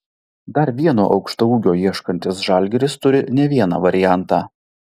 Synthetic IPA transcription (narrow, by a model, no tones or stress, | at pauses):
d̪ɐɾʋʲiɛno̰ːʔɒʊkʃt̪ɐuːɡʲoːjiɛʃkɐnʲt̪ʲɪsʒɑˑlʲɡʲɪɾʲɪst̪ʊɾʲɪnʲɛʋʲiɛnɑ̰ːʋɐɾʲɪjæˑnt̪ɑː